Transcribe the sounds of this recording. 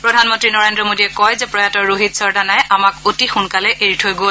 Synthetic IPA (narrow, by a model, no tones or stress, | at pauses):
pɹɔdʱanmɔntɹinɔɹendɹɔmodiɛkɔjzɛpɹɔjatɔɹoɦitsɔɹdanajʔamakotixunkalɛʔeɹitʰojɡol